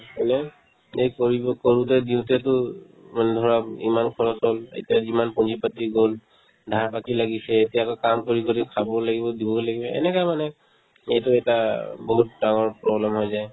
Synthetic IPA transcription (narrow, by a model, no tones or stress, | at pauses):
ɛnɛ | ejkoɹibɔkoɹutɛdiʊ̃tɛtʊ | manɛdʱɔɹapḭmankʰɔɹɔsolḛtijazimanpɔnzipatiɡol | dʱaɹpakilaɡisɛːtiakɔkamkoɹikoɹikʰabɔlaɡibɔdibɔkolaɡibɛɛ̰nɛkajmanɛ | ejtʊɛtabɔɦut̚daŋɔɹpɹɔblɛmɦɔjzaj